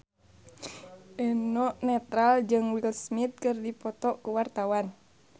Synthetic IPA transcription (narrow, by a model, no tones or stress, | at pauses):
ʔɛnɔʔnɛt̪ɾald͡ʒɨŋwilsmit̪̚kɨrdipɔt̪ɔkuwart̪awan